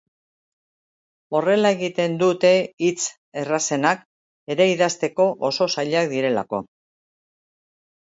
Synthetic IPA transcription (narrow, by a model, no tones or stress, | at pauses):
o̞re̞lae̞ɣit̪e̞nd̪ut̪e̞it͡s | e̞rase̞nak | e̞ɾe̞iðast̪e̞ko̞ʔoso̞saʎakd̪iɾe̞la̰ko̞